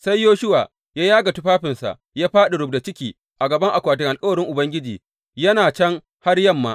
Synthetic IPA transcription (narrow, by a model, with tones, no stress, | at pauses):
sa˦jːoː˦ʃʊ˦wa̰ː˨ | jaː˦jaː˦ɡa˨tu˦ɸaː˦ɸɪ˨nsa̰˨ | jaː˦ɸaː˦ɗe˨ɽʊ˨bda˨t͡ʃɪ˦kʲiː˨ | ʔa˨ɡɐ˨bɐ˦ŋʔa˨kʷaː˨t̬ɪ˨ŋʔa˨lkʼɐ˦wɐ˨ɽɪ˦ŋʔʊ˨bɐ˦ŋɡʲɪ˦d͡ʒiː˨ | jɐ˦naː˨t͡ʃɐ˦ŋ | ha˦rjɐ˦˨mːa̰˦